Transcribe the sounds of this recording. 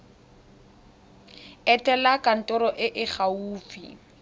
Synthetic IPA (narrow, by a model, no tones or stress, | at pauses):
ɛtʼɛlakʼan̩tʼɔɾɔʔɪʔɪχauːfḭ